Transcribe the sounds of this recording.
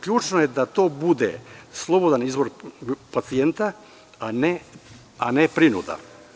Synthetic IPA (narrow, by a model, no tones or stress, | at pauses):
kʎʲuːt͡ʃnojed̪at̪o̞bud̪ḛslˠo̞bo̞d̪anizʋo̞ɾpat̪sient̪a | ane | anepɾinṵd̪a̰